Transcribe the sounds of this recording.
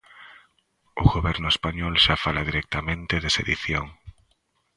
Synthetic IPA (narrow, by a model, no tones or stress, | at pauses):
ʊɣoβɛɾnʊespaɲɔlʃafalaðiɾɛk̚t̪amẽnt̪ɪðesḛðiθjoŋ